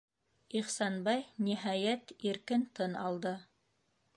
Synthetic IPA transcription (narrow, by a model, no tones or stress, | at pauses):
iχsɑnbɑjniɦɑjæt̪iɾkɘnt̪ɤnɑlˠd̪ɤ